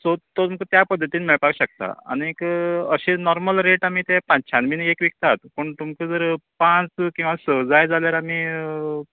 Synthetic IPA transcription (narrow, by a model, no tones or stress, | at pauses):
sot̪ot̪umkət̪japəd̪ʱːət̪inmɛɭpakɕək̚t̪a̰a̰niekəɕenɔɾməlɾeʈam̤it̪ɛpãt͡ɕʰanminekʋikt̪at̪pəɳt̪umkəd͡zəɾpãt͡skĩw̃ʋasəd͡zajd͡zaljaɾam̤i